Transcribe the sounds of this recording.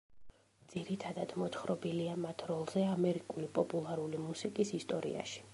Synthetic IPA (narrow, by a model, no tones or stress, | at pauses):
d̪z̥iɾit̪ʰad̪ad̪̥mɔt̪ʰχɾɔbiliamat̪ʰɾɔlˠzɛamɛɾikʼulipʼɔpʼulˠaɾulimusikʼisist̪ʼɔɾḭa̰ʃi̥